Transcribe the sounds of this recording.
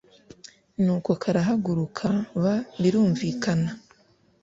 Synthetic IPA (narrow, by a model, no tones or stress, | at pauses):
nuːko̞kʰaɾaɦaɡuɾukʰaβaβiɾuːɱviːkʰana